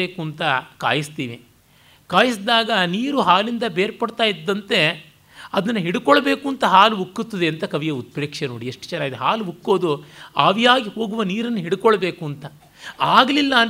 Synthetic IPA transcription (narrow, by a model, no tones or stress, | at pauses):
eːkuːnt̪ɐka̰ːjist̪iːʋi | kaːjisd̪aːɡɐniːɾuɦaːlind̪ɐbeːɾpɐɽt̪aːjid̪ːɐnt̪e̞ | ɐd̪ɐnːɐɦiɽukɔɭɐbe̞ːkuːnt̪ɐɦaːluɦukːut̪ːɐd̪eɐnt̪ɐkɐʋijɐut̪̚pɾeːkʂenoːɽieʂʈt͡ʃɐnːaːɡid̪eɦaːlɦukːo̞ːd̪uaːʋijaːɡiho̞ːɡuʋɐniːɾɐnːuɦiɽukɔɭɐbeːkuɐnt̪ɐ | aːɡɐlilːɐ